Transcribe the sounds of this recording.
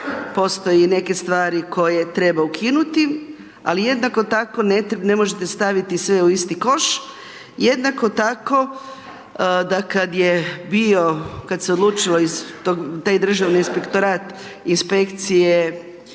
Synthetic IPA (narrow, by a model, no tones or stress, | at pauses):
po̞st̪o̞jene̞ke̞st̪ʋaːɾiko̞je̞t̪ɾe̞baukʰinut̪i | a̰lijed̪nako̞t̪ako̞nene̞moʒet̪est̪aʋit̪isʋe̞uist̪iko̞ʃ | jed̪nako̞t̪ako̞ | d̪akad̪jebio̞kad̪seod̪lˠuːt͡ʃiloizt̪oɡt̪aːjd̪r̩ʒaʋniinspe̞kt̪o̞ɾaːt̪ | inspe̞kt̪sije